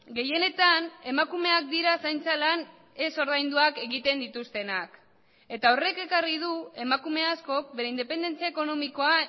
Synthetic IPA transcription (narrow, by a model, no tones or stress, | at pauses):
ɡe̞je̞ne̞t̪ane̞makume̞ak̚d̪iɾasajnt͡salan | e̞so̞ɾðajnd̪uake̞ɣit̪e̞nd̪it̪ust̪e̞nak | e̞t̪ao̞re̞ke̞karið̞ue̞makume̞asko̞k̚be̞ɾe̞ind̪e̞pe̞nd̪e̞nt͡siaeko̞no̞miko̞a